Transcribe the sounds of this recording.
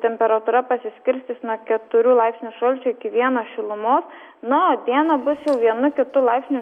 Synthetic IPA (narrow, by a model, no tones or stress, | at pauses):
t̪ʲɛmʲpʲɛɾɐt̪uːɾɐpɐsʲɪsʲkʲɪɾʲsʲt̪ʲɪsnuɔkʲɛt̪ʊɾʲuːlˠɐɪpsʲnʲuʃɐlʲt͡ʃʲʊɪkʲɪʋʲiɛnoːʃʲɪlˠʊmoːs | nʊoːd̪ʲiɛnɐbʊsjɛʊʋʲiɛnʊkʲɪt̪ʊlˠɑɪpʲsʲnʲʊ